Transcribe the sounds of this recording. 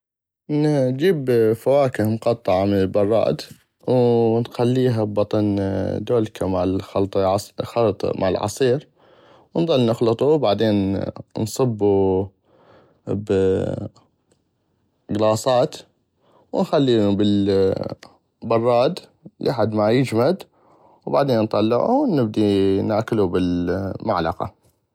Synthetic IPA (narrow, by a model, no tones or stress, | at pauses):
nd͡ʒiːbfawaːkɪhmqɑt̪ˤːɑʕamɪnəlbɑrˤːɑ̰ːd̪ | wnxalːiːɦabbɑt̪ˤɑnd̪oːlkʰamaʕlxɑlt̪ˤxɑlt̪ˤmʔa̰ʕɪ̰lʕɑ̰sˤiːɾ | wnðˤɑlːnʊxlɨt̪ˤubaʕd̪eːnnsˤɨbːu | b | ɡlɑːsˤɑːt̪ | wnxalːiːnubəl | bɑrˤːɑːd̪lʔaħad̪majɪd͡ʒmad̪ | wbaʕd̪eːnːt̪ˤɑlːɪʕṵnɪb̚d̪inaːkɪlubɪlma̰ʕlɑ̰qɑ̰